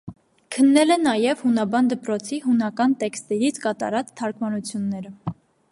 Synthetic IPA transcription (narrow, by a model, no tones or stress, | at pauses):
kʰənːɛlɛnɑjɛvhunɑbɑnd̪əpɾɔt͡sʰiɦunɑkɑnt̪ɛkst̪ɛɾit͡sʰkɑt̪ɑ̰ɾɑt͡sʰt̪ʰːɑɾkmɑnut͡sʰjunːɛɾə